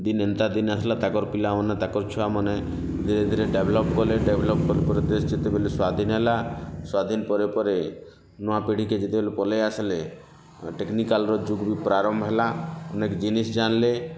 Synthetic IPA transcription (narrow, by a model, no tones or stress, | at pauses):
d̪inent̪ad̪inasʰlat̪akɔɾpilaɔnat̪akɔɾt͡ʃʰuamɔne | d̪ʱiɾed̪ʱiɾeɖebʱlɔpkɔleɖebʱlɔp̚kɔɾepɔɾed̪esd͡ʒit̪ebeleswad̪ʱinɦelaswad̪ʱinpɔɾepɔɾe | nɔapeɽ̤iked͡ʒit̪ebelepɔleasle | ʈeknikalɾɔd͡ʒuɡbipɾaɾɔmbʱɦelaɔnekd͡ʒinisd͡ʒanle